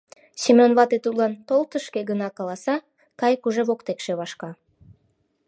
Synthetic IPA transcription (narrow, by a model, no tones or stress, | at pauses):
ɕemʲonβɑt̪et̪ut̪lɑnt̪olˠt̪əʃkeɡənɑkɑlɑsɑ | kɑjkuʒeβokt̪ekʃeβɑʃkɑ